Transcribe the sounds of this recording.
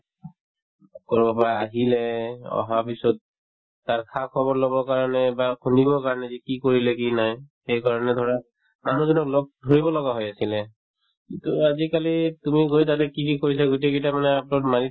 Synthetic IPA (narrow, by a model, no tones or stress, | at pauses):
kɔɹbɔpaɹaːɦilɛɔ̰ɦapisɔt̚ː | aɹkʰakʰɔbɔɹlɔbɔɹkaɹɔnɛbakʰunibɔɹkaɹɔnɛzikikoɹilɛkinajxejkaɹɔnɛdʱɔɹa | manuzɔnɔklok̚dʱoɹibɔlɔɡaɦɔjasilɛ | kintuazikalitumiɡojt̬atɛkikikoɹis̬aɡoteketamanɛapnɔtmani